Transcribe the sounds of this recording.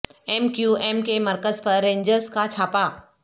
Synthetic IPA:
eːmkjueːmkeməɾkəzpəɾːẽːɲd͡ʑəɾskat͡ɕʰaːpaː

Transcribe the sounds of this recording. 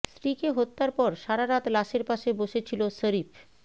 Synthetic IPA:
sɾikeɦot̪ːaɾpɔɾʃaɾaɾat̪laʃeɾpaʃeboʃet͡ɕʰilosəɾif

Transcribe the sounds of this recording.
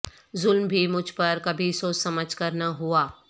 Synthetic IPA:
zʊlmbʱimʊd͡ʒʱpɐɾkɐbʱisoːt͡ʃsɐməd͡ʒʱkɐɾnaɦuaː

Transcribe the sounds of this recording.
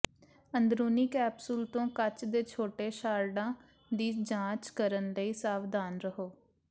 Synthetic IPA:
ənd̪ɾuːniːkɛːpsəlt̪õːkət͡ʃd̪eːt͡ʃʰoːʈeːʃaːɾɖãː | d̪iːd͡ʒãːt͡ʃkəɾənləiːsaːʋd̪aːnɾəɦoː

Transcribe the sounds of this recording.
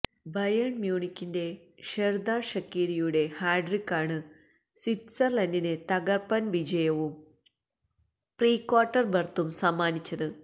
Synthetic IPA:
bɐjɐɳmjuːɳikʲːinde̞ | ʃerd̪aːʂɐkːiːɾijuɽe̞haːjɖrikːaːɳɨ | sitsɐrlɐndinet̪ɐɡɐrpɐnʋid͡ʑɐjɐʋum | priːkwaːʈːɐrbɐrt̪ːumsɐmːaːnit͡ɕːɐðɨ

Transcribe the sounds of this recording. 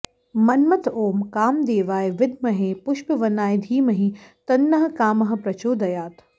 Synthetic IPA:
mɐnmɐt̪oːmkaːmd̪eːʋaːjʋɪd̪̚mɐɦẽpʊʃpʋɐnaːjd̪ʱiːmɐɦĩt̪ɐnːɐɦɐ̆kaːmɐɦɐ̆pɾɐt͡ʃoːd̪ɐjaːt̪ʰ

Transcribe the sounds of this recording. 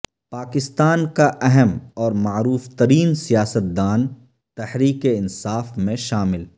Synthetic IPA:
paːkɪst̪aːnkaʔɛɦɛmɔːɾmaːɾuːft̪əɾiːnsijaːsət̪̚d̪aːn | t̪ɐhɾiːkeɪnsaːfmẽʃaːmɪl

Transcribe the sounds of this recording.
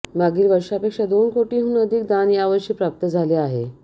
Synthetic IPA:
maɡiːlʋəɾʂapekʂad̪onkoʈiːɦũːnəd̪ʱiːk̚d̪anjaʋəɾɕiːpɾap̚t̪əd͡zʱaleaɦḛ

